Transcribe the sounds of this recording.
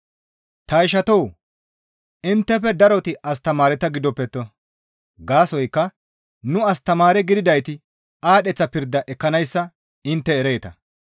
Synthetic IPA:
t̪ɐɪʃɐt̪ow | ɪnt̪ːɛfɛd̪ɐɾɔt̪ɪʔɐs̬t̪ɐmaːɾɛt̪ɐɡɪd̪ɔpːɛt̪ːɔ | ɡaːsɔjkːɐ | nʊɐst̪ɐmaːɾɛɡɪd̪ɪd̪ɐjt̪ɪ | aːɗɛt͡sːɐpɪɾd̪ɐʔɛkːɐnɐjsːɐ | ɪnt̪ːɛːɾeːt̪ɐ̰

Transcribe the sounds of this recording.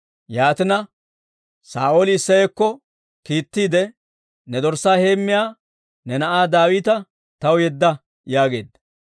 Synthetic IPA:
jaːt̪ɪnɐ | sa̰ːʔoːlɪːsːɐjekːɔ | kiːt̪ːiːd̪ɛ | nɛd̪ɔɾsːaːhe̞ːmːɪjaː | nɛnɐʔaːd̪aːwiːt̪ɐ | t̪ɐwjɛd̪ːɐ | jaːɡe̞̰ːd̪ːɐ

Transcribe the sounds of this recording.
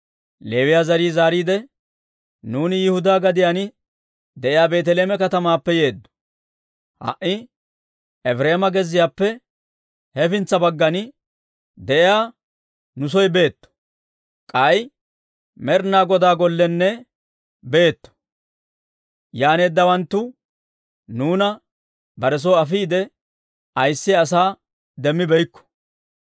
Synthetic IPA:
le̞ːwɪjaːzɐɾiːzaːɾiːd̪ɛ | nuːnɪjɪhʊd̪aːɡɐd̪ɪjanɪ | d̪ɛʔɪjaːbe̞ːt̪̬ɛleːmɛkɐt̪ɐmaːpːɛje̞ːd̪ːɔ̥ | hɐ̰ʔɪ | ɛfɾe̞ːmɐɡɛzːɪjaːpːɛ | hɛfɪnt͡sːɐbɐɡːɐn | d̪ɛʔɪjaː | nʊs̬ɔjbe̞ːt̪ːɔ̥ | kʼɐj | mɛɾnaːɡɔd̪aːɡɔlːɛnːɛ | be̞ːt̪ːɔ̥ | jaːne̞ːd̪ːɐwɐnt̪ːʊ | nuːnɐ | bɐɾɛs̬ɔɐfiːd̪ɛ | ɐjsːɪɐsaː | d̪ɛmːɪbɛjkːɔ̥

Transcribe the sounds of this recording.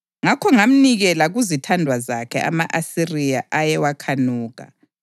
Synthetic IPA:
ŋakʰɔŋam̩niɣɛlaɣuzitʰandʱwazakʰɛa̰maʔasirijaʔajɛwakʰanuːɣa̰

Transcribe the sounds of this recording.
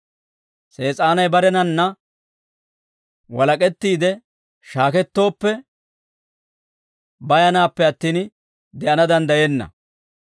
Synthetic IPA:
se̞ːt͡sʼaːnɐjbɐɾɛnɐnːɐ | wɐlɐkʼɛt̪ːiːd̪ɛ | ʃaːkɛt̪ːo̞ːpːɛ | bɐjɐnaːpːɛɐt̪ːiːn | d̪ɛʔɐnɐd̪ɐnd̪ɐjɛnːɐ̰

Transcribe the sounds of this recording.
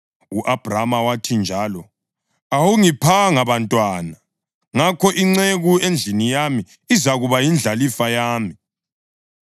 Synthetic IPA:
uʔab̥ʱramawatʰind͡ʒʱaːlɔ | awuŋipʰaŋaβantʼwaːna | ŋakʰɔʔiŋ͡ǀeɣuend͡ɮʱinijami | izaɣuβajind͡ɮʱalifajaːmi

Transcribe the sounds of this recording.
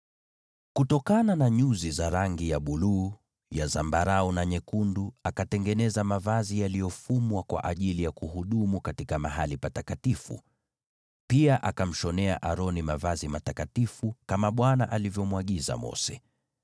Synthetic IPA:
kutɔkananaɲuzizaɾaŋɡijaɓuluː | jazambaɾaɔnaɲɛkunduakatɛŋɡɛnɛzamavazijalijɔfumwakwa̰ʔaʄilijakuhuɗumukatikamaɦalipatatkatifṵ | piaʔakam̩ʃɔnɛa̰ʔaɾɔnimavazimatakatifukamaɓwana̰ʔalivjɔmwaɠiza̰mɔ̰sɛ

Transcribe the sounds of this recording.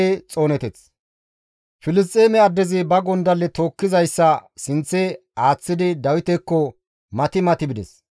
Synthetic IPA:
t͡sʼo̞ːnɛt̪ɛt͡s | fɪlɪs̬t̪ʼːeːmɛɐd̪ːɛzɪbɐɡɔnd̪ɐlːɛt̪o̞ːkːɪzɐjsːɐsɪnt͡sːɛ | aːt͡sːɪd̪ɪd̪ɐwɪt̪ɛkːɔ | mɐt̪ɪmɐt̪ɪbɪd̪ɛs

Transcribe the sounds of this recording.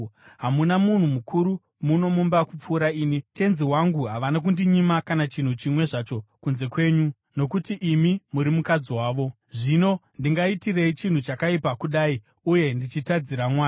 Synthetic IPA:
ɦamunamun̤umukʰuɾu | muno̞mumbakup͡fuːɾaiːnite̞nziwaŋɡuɦaʋanak̬undiɲimakanat͡ʃin̤ut͡ʃimwe̞ʐat͡ʃo̞kunze̞kwe̞ːɲu | no̞k̬utiʔimimuɾimukad͡ziwaːʋo̞ | ʐino̞ndiŋɡaitire̞it͡ʃin̤ut͡ʃakaipakuɗai | uje̞ndit͡ʃitad͡ziɾamwaː

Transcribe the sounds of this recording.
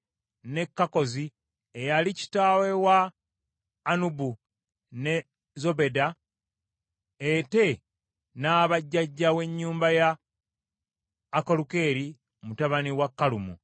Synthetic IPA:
ne̞kːako̞zi | ejalici̥taːwe̞waː | nubu | ne̞ | zo̞be̞da | ete̞ | naːβaɟːaɟːawe̞ɲːuːmbaja | ko̞luke̞ːɾi | mutaβaniwakːalumṵ

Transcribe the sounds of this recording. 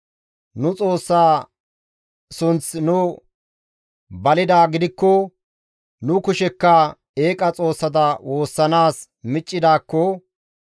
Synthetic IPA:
nʊt͡sʼo̞ːsːaː | sʊnt͡snʊ | bɐlɪd̪aːɡɪd̪ɪkːɔ | nʊkʊʃɛkːɐ | e̞ːkʼɐt͡sʼo̞ːsːɐt̪ɐwo̞ːsːɐnaːs | mɪt͡ʃʼːɪd̪aːkːɔ

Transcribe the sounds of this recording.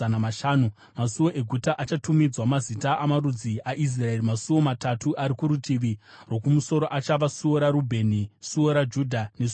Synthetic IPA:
anamaʃaːnu | masuwo̞ʔe̞ɡʱutaʔat͡ʃatumid͡zwamazitaʔamarud͡ziʔaʔis̬rae̞rimasuwo̞matatuʔaɾikuɾutiʋirwo̞kumuso̞ɾoʔat͡ʃaʋasuoɾaɾubʱe̞nisuoɾad͡ʒudʱane̞s

